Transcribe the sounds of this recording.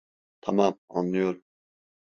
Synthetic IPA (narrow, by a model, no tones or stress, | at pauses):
t̪ʰɑmɑma̰nlˠɯjoɾ